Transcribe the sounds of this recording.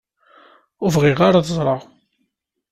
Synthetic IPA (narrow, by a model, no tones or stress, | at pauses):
ʊvʁɪʁaɾaðəzˤɾˤɑʁ